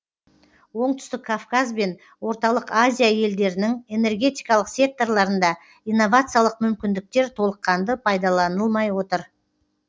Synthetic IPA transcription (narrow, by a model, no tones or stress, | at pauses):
wo̞ɴt̪ʏ̥st̪ɪkʰːafkazbe̞n | wo̞ɾt̪ɑlˠəqazʲijaje̞ld̪e̞ɾɪnɪŋe̞ne̞rɡʲe̞t̪ijkɑlˠəqsʲe̞k̚t̪o̞rlˠɑɾənd̪ɑ | ijnːo̞vat̪sɨjalˠəqmʏmkʲɪnd̪ɪk̚t̪e̞ɾt̪ʰo̞lˠəqːɑnd̪əpʰɑjd̪ɑlˠɑnəlˠmɑjwo̞t̪əɾ